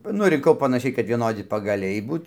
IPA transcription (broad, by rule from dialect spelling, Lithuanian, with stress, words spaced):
ˈnʊ rʲɪŋˈkɐʊ pɐnɐˈʃʲɛɪ kɐt ʋʲiɛˈnoːdʲɪ pɐɡɐˈlʲɛɪ ˈbuːt